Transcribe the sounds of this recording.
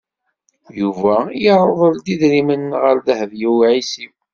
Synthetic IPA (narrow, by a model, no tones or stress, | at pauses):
juvæjiɾˤəðˤəld̪iðɾimənʁəɾðəhvjiwʕisim